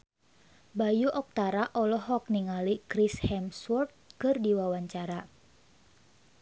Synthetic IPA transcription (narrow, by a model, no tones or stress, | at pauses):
bajuʔɔk̚t̪aɾaʔɔlɔɦɔk̚niŋalikɾishɛmswɔrt̪̚kɨrdiwawaɲt͡ʃaɾa